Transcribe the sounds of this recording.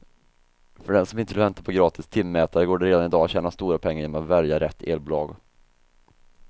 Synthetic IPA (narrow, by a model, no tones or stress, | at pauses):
fœɖɛnsɔmɪnt̪əlvɛnt̪aɾpʰɔɡɾɑːt̪ʰɪst̪ʰɪmːɛːt̪aɾəɡoːɖɛɾeːd̪anɪd̪ɑːat̪ɕɛːnast̪uːɾapʰɛŋːaɾjeːnɔmat̪vɛljaɾɛt̪ʰːḛːlbʊlɑːɡ